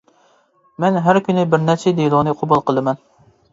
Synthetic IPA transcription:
mɛnɦæɾkʲynɪbɪɾnɛɾt͡ʃʰɛd̪elˠʊnɨqʰobulˠqʰəlˠɨmɛn

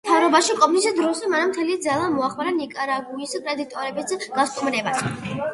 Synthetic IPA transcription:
t̪ʰavɾɔbaʃikʼɔmnisid̪ɾɔsɛmanamt̪ʰɛlid̪zalˠamɔaχmaɾanikʼaɾaɡuiskʼɾɛd̪it̪ʼɔɾɛbisɡ̥ast̪ʼmɾɛbas

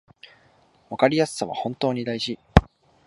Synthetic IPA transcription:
βakaɾʲijasɨ̥saβa̰hõ̞nt̪o̞ːɲ̟id̪aiʑi

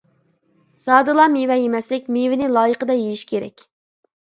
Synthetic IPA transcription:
sɑːd̪ɨlˠɑmewɛjemɛslɪk̚ʲmevɪnɪlˠɑːjəqəd̪ɑjejiʃkʲʰeɾɛ̰kʲ

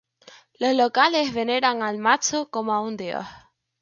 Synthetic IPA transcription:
lozlokalezβeneɾaŋalmat͡ʃokomoaund̪eo̰h

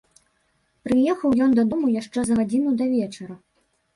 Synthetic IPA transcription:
pɾɨjɛxɐwjɔnd̪ɐd̪ɔmujaʂt͡ʂɛzɐɣad͡zʲinud̪ɐvʲɛt͡ʂɐɾɐ

